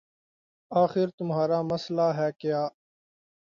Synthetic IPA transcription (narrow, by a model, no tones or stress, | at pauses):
aːxɪɾt̪ʊmɦaːɾaːmɐslaɦɛːkɪjaː